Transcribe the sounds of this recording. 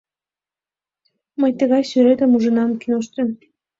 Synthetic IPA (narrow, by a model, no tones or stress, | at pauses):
məjt̪əɣɑjsyɾet̪əmuʒə̆nɑmkinoʃt̪ym